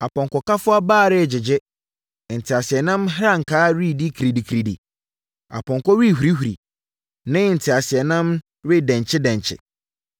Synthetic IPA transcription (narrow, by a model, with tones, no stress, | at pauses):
a˨pʰɔ̃˨ŋkʰɔ˨ka˦fʊ˦a˦baː˦˨ɾɪ˦˨d͡ʑɪ˨d͡ʑɪ˦˨ | n̩˨tʰɪ˨a˨sɪ˨ɛ˨nã˦mɦɾa˦ŋ̩˨kʰaː˦ɾi˦˨di˦kʰi˨ɾi˨di˨kʰi˨ɾi˨dḭ˨ | a̰˨pʰɔ̃˨ŋkʰɔ˦ɾi˦˨ɦu˨ɾi˦ɦu˨ɾḭ˨ | nɪ̃˦˨n̩˨tʰɪ˨a˨sɪ˨ɛ˨nã˦m | ɾɪ˦dɛ̃˨ɲ˨t͡ɕʰɪ˦dɛ̃˨ɲt͡ɕʰɪ̰˨